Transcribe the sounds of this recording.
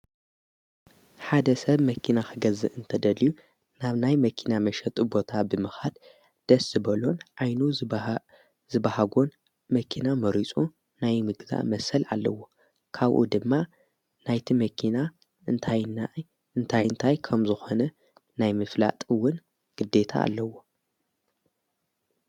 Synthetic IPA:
ħad̪ɐsɐβmɐkʰinaxɨɡɐzɨ̰ʔɨnt̪ʰɐd̪ɐliju | naβnajmɐkʰinamɐʃɐt̪ʼubo̞t̪ʰabɨmɨxad̪ | d̪̥ɐsɨbɐlo̞nʕajnu | zɨbahaɡon | mɐkʰinamɐɾit͡sʼu | najmɨɡza̰ʔmɐsɐlʕa̰lːɐ̰wo̞ | kʰaβʔṵd̪ɨmːa | najt̪ʰimɐkʰina | ɨnt̪ʰajna | ɨnt̪ʰajɨnt̪ʰajkʰɐmzɨxo̞nɐ | najmɨfla̰t̪ʼɨwːʊn | ɡ̥ɨd̪e̞t̪ʰa̰ːlːɐwo̞

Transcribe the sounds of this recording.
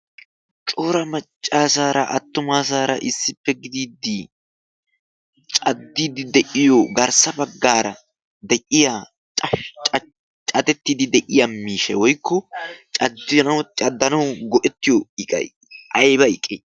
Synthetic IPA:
t͡ʃʼoːɾɐmɐt͡ʃʼːaːsaːɾɐ̰ʔɐ̰t̪ːʊmaːs̬aːɾɐ̰ʔɪsːɪpːɛɡɪd̪iːd̪ɪ | t͡ʃʼɐd̪ːiːd̪ɪd̪ɛʔɪjoɡɐɾsɐbɐɡːaːɾɐ | d̪ɛʔɪja | t͡ʃʼ | t͡ʃʼɐt̪ɛt̪ːid̪ɪd̪ɛʔɪjɐmːiːʃɛwɔjkːɔt͡ʃʼɐd̪ɪnɐwt͡ʃʼɐd̪ːɐnɐwɡɔʔɛt̪ːɪjɔɪkʼɐ̰j | ʔɐjbɐɪkʼe

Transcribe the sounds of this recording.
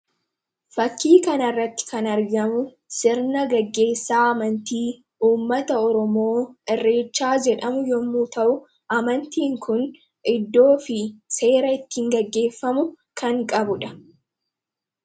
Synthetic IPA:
fɐkːiːkɐnɐrːɐt̪ːɪ̥kɐnɐɾɡɐmʊ | sɪɾnɐɡɐɡːe̞ːsːaːɐmɐnt̪iː | ʔuːmːɐt̪ɐɔɾɔmo̞ːʔɛrːe̞ːt͡ʃːaːd͡ʒɛᶑɐmʊjɔmːuːt̪ɐʔʊ | ʔɐmɐnt̪iːŋkʰʊn | ʔɪd̪ːo̞ːfɪse̞ːɾɐɪt̪ːɪhɪŋɡɐɡːe̞ːfːɐmʊ | kɐŋkʼɐbʊᶑɐ̥

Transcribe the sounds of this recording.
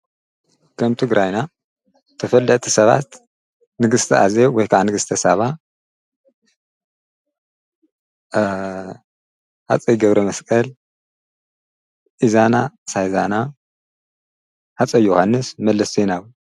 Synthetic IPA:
kʰɐmt̪ʰɨɡɾajna | t̪ʰɐfɐlːɐt̪ʼʰisɐβa̰t̪ | nɨɡɨst̪ʰɐʔazewɔjkʰaʕanɨɡɨst̪ʰɐsaβa | ha̰t͡sʼɐjɡɐβɾɐmɐskʼɐl | ʔizanasajzana | ħat͡sʼɐjohanːɨsmɐlːɐsenaw

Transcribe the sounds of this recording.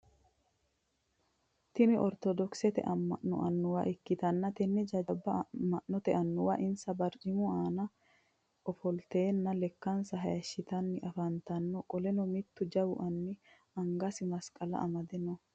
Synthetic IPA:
t̪ɪmɪʔɔɾt̪ɔd̪ɔksɛt̪ɛ̰ʔɐmːɐʔːʊ̰ʔɐnːʊwɐ̰ʔɪkːɪt̪ɐnːɐt̪ɛnːɛd͡ʒɐɐbːɐmɐʔɔt̪ɛʔɐnːʊwɐʔɪnsɐbɐɾt͡ʃɪmʊaːnɐ | ɔfɔlt̪e̞ːnːɐlɛkːɐnsɐɦɐjɐʃːɪt̪ɐnːɪʔɐfɐnt̪ɐnːɔkʼɔlɛnɔmɪt̪ːʊd͡ʒɐbʊʔɐnːɪ | ɐŋɡɐsɪmɐskʼɐlɐ̰ʔɐmɐd̪ɛnɔ

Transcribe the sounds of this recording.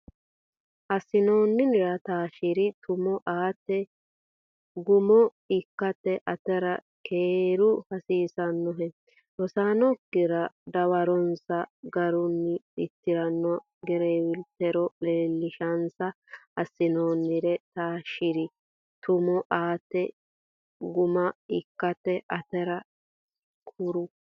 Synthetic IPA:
ʔɐsːɪnoːnːɪnɪɾɐt̪aːʃɪɾɪt̪ʰʊmɔʔaːt̪ːɛ | ɡʊmɔ | ɪkːɐt̪ːɛʔɐt̪ɛɾɐ | kʰeːɾʊhɐsiːsɐnːɔɦɛ | ɔsaːnɔkːɪɾɐd̪ɐwɐɾɔnsɐɡɐɾʊnːɪɪt̪ːɪɾɐnːɔ | ɡɛɾeːwɪlt̪ɛɾɔleːlːɪʃɐnsɐɐsːɪnoːnːɪɾɛt̪aːʃɪɾɪ | t̪ʊmɔʔaːt̪ɛ | ɡʊmɐɪkːɐt̪ɛʔɐt̪ɛɾɐ | kʰʊɾʊ

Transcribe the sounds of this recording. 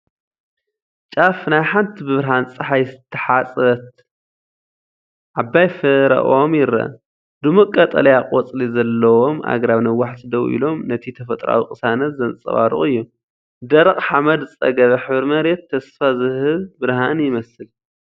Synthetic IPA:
t͡ʃʼafnajħant̪ʰibɨβɨɾɦant͡sʼɨħajst̪ʰːɐħat͡sʼɐt̪ | ʕabajfɨɾɐ̰ʔomjɪɾɐ̰ | d̪ɨmɨkʼːɐt̪ʼɐ̰lɐjaqʼwɔt͡sʼlizɐlːɐwo̞mʔa̰ɡɾaβnɐwaħsʰɨd̪ɐwʔḭlo̞mnɐt̪ʰit̪ʰɐfɐt̪ʼɾa̰wikʼɨsanɐt̪zɐnsʼɐ̰βa̰ɾṵʔʼɨjːu | d̪ɐɾɐqʼħamɐd̪zɨt͡sʼɐ̰ɡɐβɐħɨβɨɾmɐɾet̪ʰːɐsfazɨhɨlbɨɾhanjɪmɐsɨl

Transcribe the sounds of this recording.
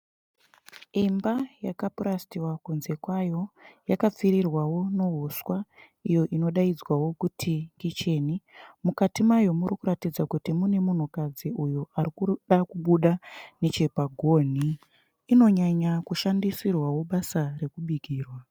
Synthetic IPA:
imbajakapuɾastiwakunze̞kwajo̞jakap͡fiɾirwawo̞no̞ɦoswa | ijo̞ʔino̞ɗaid͡zwawo̞kutʰiŋɡit͡ʃe̞nimukatimajo̞murikuɾatid͡zakutimune̞mun̤ukad͡ziʔujuarikuɗakuɓuɗane̞t͡ʃe̞paɡʱo̞n̤iː | no̞ɲaɲakuʃandisirwawo̞ɓasare̞kuɓiɡʱiːrwa

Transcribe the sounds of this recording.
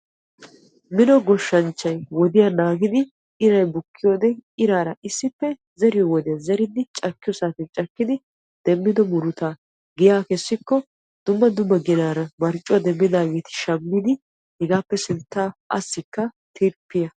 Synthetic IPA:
mɪnɔɡɔʃːɐnt͡ʃːɐjwɔd̪ɪjɐnaːɡɪd̪ɪ | ɪɾɐjbʊkːɪjoːd̪ɛɪɾaːɾɐʔɪsːɪpːɛ | zɛɾɪjɔwɔd̪ɪjɐzɛɾɪd̪ːɪt͡ʃʼɐkːɪjɔsaːt̪ɪnt͡ʃʼɐkːɪd̪ɪ | d̪̥ɛmːɪd̪ɔmʊɾʊt̪a | ɡɪjaːkɛsːɪkːɔ | d̪̥ʊmːɐd̪ʊmːɐɡɪnaːɾɐmɐɾt͡ʃʼːʊwɐd̪ɛmːɪd̪aːɡeːt̪ɪ̥ʃɐmːɪd̪ɪ | hɛɡaːpːɛsɪnt̪ːaːʔɐ̰sːɪkːɐ | t̪ʰɪɾpːɪjɐ

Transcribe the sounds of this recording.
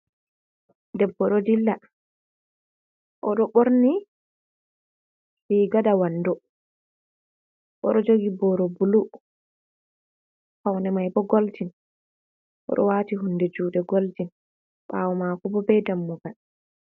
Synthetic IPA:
dɛbːɔɗɔdilːa | ʔɔɗɔɓoɾni | liɡaɗawanːdɔ | ʔɔɗɔd͡ʒoɡibɔɾɔbulu | hawnɛmajbɔɡoltin | ʔɔ̰ɗɔwaːtiɦundɛd͡ʒuːɗɛɡoltin | ɓa̰wɔmakɔbɔbɛjdamːɔɡan

